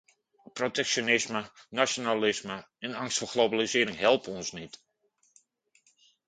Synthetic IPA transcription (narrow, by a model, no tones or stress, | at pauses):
protɛkʃonɪsmənasjonalɪsmə | ɛnɑŋstfɔɣlobalisɪːəɾɪŋɦɛlˠpɔnsnit